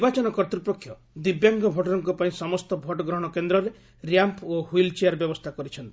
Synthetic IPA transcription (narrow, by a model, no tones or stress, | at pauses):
bat͡ʃɔnɔkɔɾt̪ɾipɔkʰːjɔ | d̪ibjaŋɡɔbʱɔʈɔɾɔŋkɔpaĩsɔmɔst̪ɔbʱɔʈɔɡɾɔɦɔɽ̃ɔkend̪ɾɔɾe | ɾijampʰohwilt͡ʃeaɾbjɔbɔst̪ʰakɔɾit͡ʃʰɔnt̪i